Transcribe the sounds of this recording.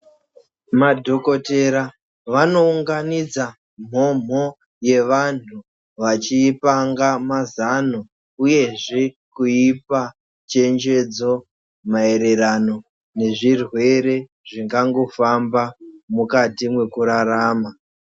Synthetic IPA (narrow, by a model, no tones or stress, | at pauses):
madʱo̞ko̞te̞ɾa | ʋano̞uŋɡanid͡za | m̤o̞m̤o̞ | je̞ʋantʰu | ʋat͡ʃiːpaŋɡamazano | uje̞ʐe | kuipa | t͡ʃe̞nd͡ʒe̞d͡zo̞ | mae̞ɾe̞ɾano̞ | ne̞ʐirwe̞ɾe̞ | ʐiŋɡaŋɡo̞fambamukatimwe̞kuɾaɾaːma